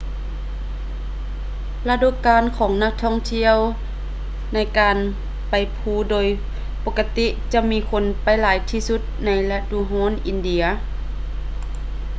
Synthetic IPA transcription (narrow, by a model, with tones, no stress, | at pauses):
la˧du˧˨kaː˧nkʰɔː˨˩˦ŋna˧k̚t̪ʰɔː˧˥˨ŋt̪ʰi˧˨əw | na˧˩jkaː˨n | pa˨jpʰuː˧˩doː˨j | po˧kːa˧t̪i˧˥t͡ɕa˧miː˧˥kʰo˧˥npa˨jlaː˨˦jt̪ʰiː˧su˧t̪̚na˧˥jla˧duː˧˨ɦɔː˧˥˨nʔi˨˧˨ndi˧˨ɐ